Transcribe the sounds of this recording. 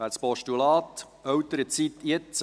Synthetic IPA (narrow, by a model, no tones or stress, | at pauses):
æːspɔʃtulɑːt̪ | œwt̪əɾət͡sit̪jɪt͡s